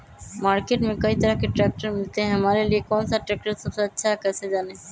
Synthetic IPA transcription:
maɾkeʈmekajt̪aɾakeʈɾɛk̚ʈaɾmilt̪eɦɛmalelikɔnsaʈːɾɛk̚ʈaɾsɔbsat͡ɕʰakat͡ɕʰed͡ʑane

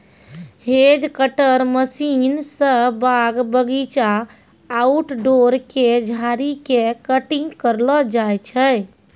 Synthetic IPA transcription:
ɦed͡ʒkəʈəɾməsinsə̃baɡbəɡit͡ʃaː | uʈɖoɾked͡ʒʱaɾikekəʈiŋɡkəɾlɔd͡ʒajt͡ʃʰəj

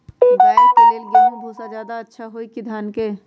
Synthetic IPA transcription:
baːkeleːlɡaũbʱoːsad͡ʒjaːd̪aɐtːʃʰaɦoikɪd̪ʱaːnke

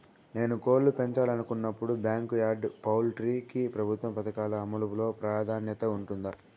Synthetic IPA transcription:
ne̞ːnuko̞ːllupe̞ɲt͡ʃaːlɐnukunːɐpːuɽubjaːŋkjaːɖpɐwlʈɾiːkipɾɐbʱut̪ʋɐmpɐt̪ɐkaːlɐːmɐluʋulo̞ːpɾaːd̪ʱaːnjɐt̪ɐuɳʈund̪a

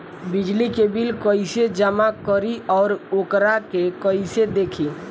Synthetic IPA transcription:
bid͡ʒlikebilkəised͡ʒəmakəɾiɔːɾokɾakekəised̪ekʰi

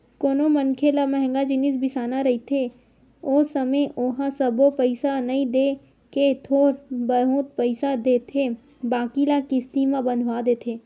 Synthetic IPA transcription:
koːnomənkʰelamɛɦɛ̃ŋɡad͡ʒɪnɪsbɪsaːnaɾɐit̪ʰe | oːsəmeʔoɦãsəbopəɪsanɐĩd̪eː | ket̪ʰoːɾbəɦũt̪̚pəɪsad̪eːt̪ʰe | baːkilakɪst̪imãbə̃nd̪ʱʋad̪eːt̪ʰeː

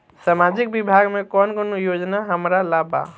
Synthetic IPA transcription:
samad͡ʒik̚bibʱaɡmekɔnkonojod͡ʒnaɦəmɾalaba̰

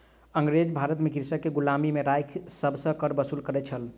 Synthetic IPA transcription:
əŋɡɾed͡ʒbʱaɾət̪mekiɾsəkːeɡulamimeɾajkʰsəbʱsə̃kəɾbəsulkəɾɛt͡ʃʰəl

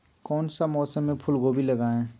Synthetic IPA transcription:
kɔːnsamɔːsəmːẽpʰʊlɡoːbʱiləɡaːẽː

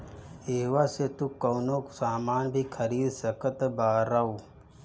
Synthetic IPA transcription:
eːɦʋaset̪ukoːnõksaːmaːnbʱikʰəɾiːd̪səkət̪baːɾaoː

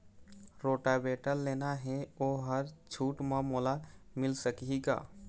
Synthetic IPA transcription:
ɾoːʈabeːʈəlːeːnaɦɛoːɦəɾt͡ʃʰuːʈmamoːlamɪlsəkiɡa̰ː

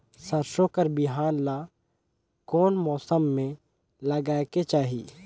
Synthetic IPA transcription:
sɐɾʃokəɾbɪɦaːnla | kɔːnmɔːsəmːẽ | lɐɡaːket͡ʃaːɦiː

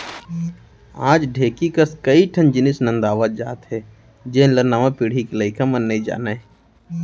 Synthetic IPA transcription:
ãːd͡ʒɖʱeːkikaskəiʈʰənd͡ʒɪnɪsnə̃nd̪aːʋət̪̚d͡ʒa̰ːt̪ɦɛ | d͡ʒeːnləɾnaːmãpiɽ̤ikeləɪkʰamənːəid͡ʒa̰ːnaɦɛ

